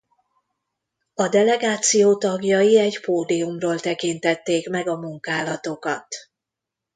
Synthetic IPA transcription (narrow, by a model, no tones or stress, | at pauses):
ɒd̪ɛlɛɡaːt̪sijoːt̪ɒɡjɒjiɛɟpoːd̪iumroːlt̪ɛkint̪ɛt̪ːeːkmɛɡɒmuŋkaːlɒt̪o̞kɒt̪